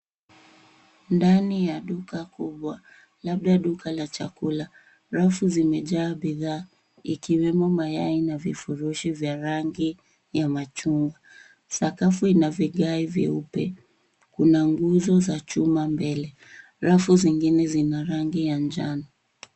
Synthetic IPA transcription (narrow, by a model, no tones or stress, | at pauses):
ndanijaɗukakuɓwa | laɓ̚ɗaɗukalat͡ʃakula | ɾafuzimɛʄaːɓiðaː | ikiwɛmɔmajainavifuɾuʃivjaɾaŋɡi | jamat͡ʃuŋɡa | sakafuinaviɠaivḭupɛ | kunaŋɡuzɔzat͡ʃumambɛlɛ | ɾafuziŋɡinɛzinaɾaŋɡijand͡ʒana